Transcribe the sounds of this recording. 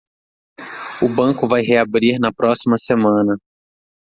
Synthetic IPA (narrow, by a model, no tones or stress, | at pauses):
ʊbɐ̃kʊvajɦeabɾiɾnɐpɾɔsimɐsemɐ̃nɐ